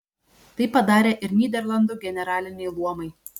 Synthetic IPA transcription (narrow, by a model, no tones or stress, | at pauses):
t̪ɐɪpɐd̪ɑːɾʲeːʔɪɾnʲiːd̪ʲɛɾlˠɐnd̪uːɡʲɛnʲɛɾɑːlʲɪnʲɛɪlˠuɔmɐɪ